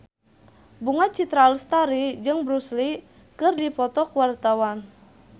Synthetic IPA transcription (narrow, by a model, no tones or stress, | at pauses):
buŋat̪̚t͡ʃit̪ɾalst̪aɾid͡ʒɨŋbɾusli | kɨrdipɔt̪ɔkuwart̪awan